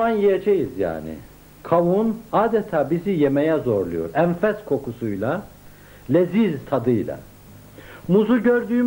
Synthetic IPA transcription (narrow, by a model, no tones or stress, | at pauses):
anjijed͡ʒejizja̰ːnɪ̰ | kʰawunaːd̪et̪ʰaːbizijemejɛzo̞ɾlˠujo̰ɾænfæz̥kʰo̞kʰusujlˠa | lʲezizt̪ʰad̪ɯjlˠa̰ | muzuɟø̞ɾd̪yː